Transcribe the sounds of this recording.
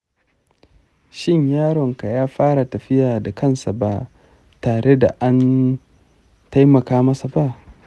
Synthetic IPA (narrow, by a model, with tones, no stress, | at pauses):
ʃɪ˦˨ɲjaː˦ɽɔ˨ŋka˨jaː˦ɸaː˦ɾa˨tɐ˨ɸɪ˦jaː˨da˨kɐ˦nsa˨ba˦ʔ | taː˨ɽe˦da̰˨ʔa˦n | ta˦jmɐ˨kaː˦mɐ˦sa˨ba˦˨ʔ